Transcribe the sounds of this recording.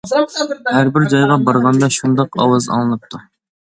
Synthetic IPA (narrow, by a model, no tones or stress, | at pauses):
hæɾbɪɾd͡ʒɑjʁɑbɑɾʁɑnd̪ɑʃund̪ɑqɑ̰wɑzɑ̰ŋɨlˠɨp̚t̪ʰu